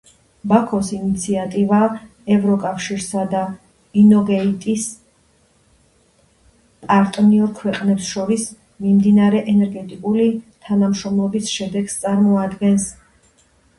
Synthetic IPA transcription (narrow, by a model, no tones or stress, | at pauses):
bakʰɔsinit̪sʰiat̪ʼiva | ɛvɾɔkʼafʃiɾsad̪a | inɔɡɛit̪ʼis | pʼaɾt̪ʼniɔɾkʰwɛqʼnɛpsʃɔɾis | mimd̪inaɾɛʔɛnɛɾɡɛt̪ʼikʼulit̪ʰanamʃɾɔmlˠɔbisʃɛd̪ɛɡst̪sʼaɾmɔad̪ɡɛns